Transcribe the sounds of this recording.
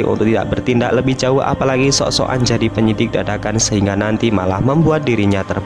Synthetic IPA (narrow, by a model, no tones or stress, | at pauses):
kʔṵnt̪ʊk̚t̪ida̰k̚bərt̪indakləbɪhd͡ʒaʊɦʔa̰palaɡisɔ̰ʔsɔ̰ʔa̰nd͡ʒadipəɲidɪk̚dadakansəɦiŋɡanant̪imalahməmbuat̪̚diɾiɲat̪ər